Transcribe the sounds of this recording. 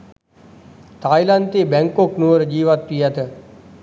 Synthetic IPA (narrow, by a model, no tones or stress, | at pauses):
t̪ʰaːjlãnt̪ibɛ̃ŋkoknuəɾd͡ʒiːʋat̪ːijat̪ʰe